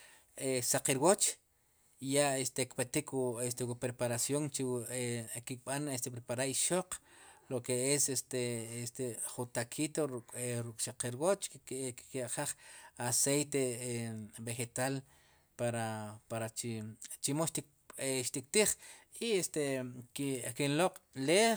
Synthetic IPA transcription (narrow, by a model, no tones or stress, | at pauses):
esaqiɾwot͡ʃ | jaest̪ekpet̪ikwest̪ewupɾepaɾasjoŋt͡ʃi | kikɓanest̪epɾepaɾaɾiʃoqlokeesest̪eest̪eχut̪akʰit̪oɾkʼɾukʼʃaqeɾwot͡ʃkikaʔχaχasejt̪e | beχet̪al | paɾapaɾat͡ʃit͡ʃimoʃt̪ik | ʃt̪ik̚t̪iχiest̪ekikinloq͡χle